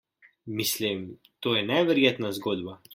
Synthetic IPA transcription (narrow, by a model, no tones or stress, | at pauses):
mislim | t̪oːjɛnɛʋɛɾjeːt̪nazɡoːd̪ba